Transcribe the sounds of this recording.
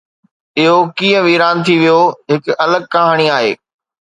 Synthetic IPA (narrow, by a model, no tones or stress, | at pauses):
ɪɦokiːə̃ʋiːɾaːnt̪ʰiʋijoɦɪkɐləɡ̚kɐɦaːɽ̃iaːɦeː